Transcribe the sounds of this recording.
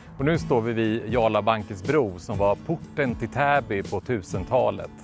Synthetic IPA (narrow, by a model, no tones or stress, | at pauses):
ɔnʉ̟ːst̪oːvɪvɪjɑːlabaŋkəsbɾuːsɔmvaɾpʰʊʈːənt̪ʰɪlt̪ʰæːbɪpʰɔt̪ʰʉ̟ːsənt̪ʰɑ̰ːlə̰t̪